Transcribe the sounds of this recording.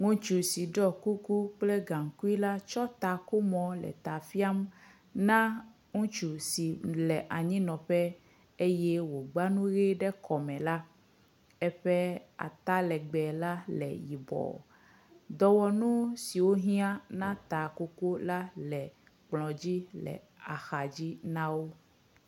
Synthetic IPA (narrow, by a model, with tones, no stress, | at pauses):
ŋũ˦t͡ʃu˨si˨ɖɔ˦ku˦ku˦k͡ple˦ɡã˨ŋ˨ku˦i˦la˦t͡ʃɔ˦t̪a˨ko˦mɔ̃˨lɛ̰˨t̪a˨fi˦a˦m | nã˦ | ŋũ˦t͡ʃu˨si˨lɛ˨ʔa˨ɲĩ˦nɔ̃˨ɸɛ˦ | e˦jɛ˦wo˨ɡ͡ba˦nũ˦ɣe˦ɖɛ˦kɔ˨mɛ̃˨la˦ | ɛ˦ɸɛ˦a̰˨t̪a˦lɛ˨ɡ͡bɛ˨la˦lɛ̰˨ji˨bɔ̰˨ | d̪ɔ˨wɔ˨nũ˦si˨wo˦ɦĩ˦ã˦nã˦t̪a˨ko˦ko˦la˦lɛ˨ | k͡plɔ̃˨d͡ʑi˦lɛ̰˨ | a˨xa˨d͡ʑi˦nã˦wo˦